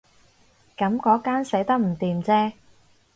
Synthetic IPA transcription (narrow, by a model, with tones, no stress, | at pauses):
kɐ˨˥mkɔː˨˥kaː˥nse˨˥jt̪ɐ˥k̚m̩˨˩t̪iː˨mt͡sɛː˥